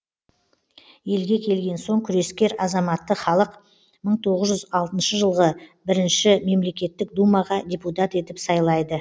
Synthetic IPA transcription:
je̞lɡʲe̞kʲʰe̞lɡʲe̞nso̞ɴkʲʰʏɾe̞skʲe̞ɾɑzɑmɑt̪ːəχɑlˠəq | məɴt̪ʰo̞ʁəzʒʏzɑlˠt̪ənʃəʒəlˠʁəbɪɾɪnʃɪme̞mle̞kʲe̞t̪ːɪkd̪umɑʁɑd̪ʲeput̪̬at̪e̞t̪ɪpsɑjlˠɑjd̪ə

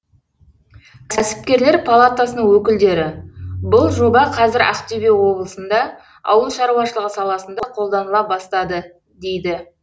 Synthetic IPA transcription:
k̪ʰæsɪ̥p̚kʲe̞ɾle̞ɾpʰalˠat̪asənəɴŋwɵkʲɪld̪e̞ɾɪbʊlˠʒo̞bɑqʰɑzɪɾæ̰qt̪ebewo̞blˠəsənd̪ɑ | ɑ̰wəlˠʃɑɾuwɑʃəlˠəʁəsɑlˠɑsənd̪ɑqʰo̞lˠd̪ɑnəlˠɑbɑst̪ɑd̪ə | d̪e̞jd̪ɪ

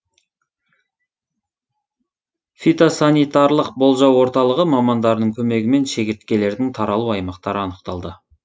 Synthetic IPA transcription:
fit̪osanijt̪ɑɾlˠəq̚bo̞lˠʒɑwo̞ɾt̪ɑlˠəʁəmɑmɑnd̪ɑɾənəɴkʲʰɵme̞ɡʲɪme̞nʃe̞ɡʲɪɾt̪kʲe̞le̞ɾd̪ɪŋt̪ʰɑɾɑlˠuɑjmɑqt̪ɑɾəɑnəqt̪ɑlˠd̪ə

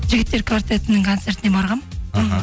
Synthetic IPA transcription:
ʒɪɡʲɪt̪ːe̞ɾkʰvaɾt̪et̪ɪnɪŋkʰont̪se̞ɾt̪ɪnebɑɾʁɑmɦ

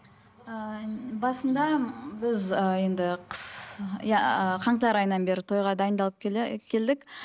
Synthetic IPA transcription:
əbɑsənd̪ɑbɪzəje̞nd̪ɪqʰə̥sjɑqʰɑɴəlɑɾɑjənːɑnbe̞ɾɪt̪ʰo̞jʁɑd̪ɑjənd̪ɑlˠəp̚kʲkʲʰe̞ld̪ɪkʲ

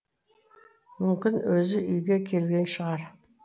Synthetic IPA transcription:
mʏmkʲɪnwɵzɪʔʏjɡʲekʲʰe̞lɡʲe̞nʃəʁɑɾ

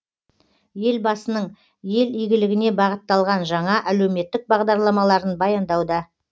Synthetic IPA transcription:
je̞lbɑsənəɴ | je̞lijɡʲɪlɪɡʲɪne̞bɑʁət̪ːɑlˠʁɑnʒɑɴɑʔælewme̞t̪ːɪk̚bɑʁd̪ɑɾlˠɑmɑlˠɑɾənbɑjɑnd̪ɑwd̪ɑ

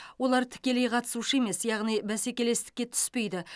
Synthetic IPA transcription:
wo̞lˠɑɾt̪ʰɪ̥kʲe̞le̞jqʰɑt̪ə̥suʃəe̞me̞sjɑʁnijbæse̞kʲe̞le̞st̪ɪ̥kʲːe̞t̪ʰʏ̥spe̞jd̪ɪ

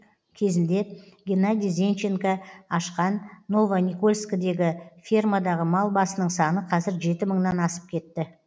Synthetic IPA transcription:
kʲʰe̞zɪnd̪e̞ɡʲenad̪ʲijzʲe̞nt͡ʃeŋkaɑʃqɑnːo̞vanʲiko̞lʲˠskad̪e̞ɡʲɪfʲirmad̪ɑʁəmɑlˠbɑsənəɴsɑnəqʰɑzɪɾʒe̞t̪ɪməɴnɑnɑsə̥p̚kʲʰe̞t̪ːɪ

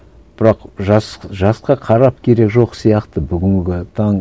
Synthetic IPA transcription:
b̥ɪɾɑqʒɑsʒɑsqɑqʰɑɾɑp̚kʲʰe̞ɾe̞kʒo̞qsijɑqt̪əbʏɡʲɪŋɡʲɪt̪ʰɑɴ

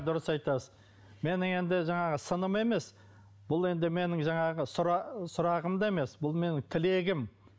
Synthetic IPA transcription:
d̪ʊɾəsɑjt̪ɑsə | me̞nɪŋe̞nd̪ɪʒɑɴɑʁəsənəme̞me̞s | b̥ʊlˠe̞nd̪ɪme̞nɪŋʒɑɴɑʁəsʊɾɑsʊɾɑʁəmd̪ɑe̞me̞sbʊlˠme̞nɪŋt̪ʰɪle̞ɡʲɪm

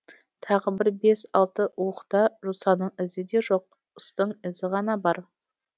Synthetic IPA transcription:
t̪ʰɑʁəbɪɾbe̞sɑlˠt̪əwəqt̪ɑʒusɑnəɴɪzɪd̪e̞ʒo̞q̚ | əst̪əɴɪzɪʁɑnɑbɑɾ

